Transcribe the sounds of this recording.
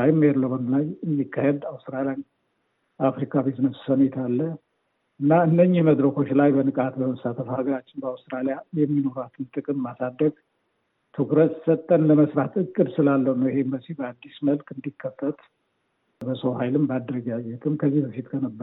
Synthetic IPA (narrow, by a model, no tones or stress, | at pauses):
ajɪmːeɾlomənlajɨnikʰːahed̪awst̪ɾalijan | afɾikʰabeznəssənɛt̪ʰalːə | ʔɨnːaɨnːəɲːɪhməd̪ɾəko̞t͡ʃːlajbənɨkʼat̪bəməsat̪ʰəfhaɡəɾat͡ʃːɪnbəawst̪ɾalijajɛmːino̞ɾat̪ʰɨnt̪ʼɨkʼɨmmasad̪ːəɡ | t̪ʰokɾət̪sət̪ʼːənləməsɾat̪ɨkʼːɨd̪sɨlalːəhunəwɪhe̞mbəzihbəad̪ːisməlkʼɨnd̪ikʰːəfːət̪ʼ | bəsohajlɨmbad̪ɾəɡajːɛt̪ʼɨmkʰəzːihbəfit̪kʰənəbːəɾ